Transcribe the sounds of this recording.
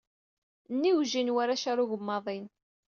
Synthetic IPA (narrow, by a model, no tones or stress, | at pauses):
nːiwʒinwaɾaʃaɾuʝəmːɑðˤin